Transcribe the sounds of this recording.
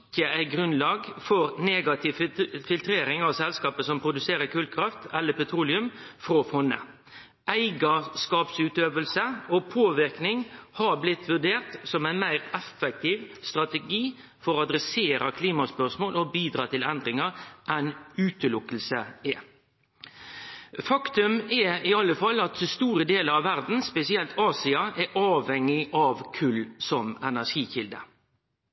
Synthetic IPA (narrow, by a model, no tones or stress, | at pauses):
ɪkːəʔæɪɡɾʉnlɑːɡfɔɾneːɡɑt̪ʰɪʋfɪlt̪ɾeːɾɪŋɑʋsɛlskɑːpəsɔmpʰɾʊd̪ʉseːɾəkʰʉːlkʰɾɑft̪ɛlːəpɛt̪ʰɾuːlɪʉmfɾofɔnːə̰ | ʔæɪɡɑskɑːpsʉːt̪øːʋəlsəopʰoːʋɪɾknɪŋhɑɾblɪt̪ʰʋʉɖeːɾt̪sɔmæɪnmæɪɾɛfːɛk̚t̪ʰɪːʋst̪ɾɑt̪ɛɡiː | fɔʁɑd̪ɾɛseːɾəkʰliːmɑspœʂmoːlɔbiːd̪ɾɑːt̪ʰɪlɛnd̪ɾɪŋəɾʔɛnʉːt̪əlʊkəlsəɛ | fɑkt̪ʉmɛɪɑlːəfɑlːɑt̪st̪uːɾəd̪eːləɾɑʋːæɾd̪n̩spɛsɪɛlt̪ɑːsɪɑʔɛʔɑːʋhɛŋːɪʔɑʋkʰʉlːsɔmɛnæʂiːçɪld̪ə̰